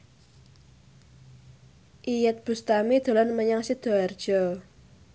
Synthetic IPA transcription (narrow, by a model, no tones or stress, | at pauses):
ʔijət̪̚b̥ṳst̪amid̪̥o̤lanməɲaŋsid̪̥o̤ard̥ʒ̥ɔ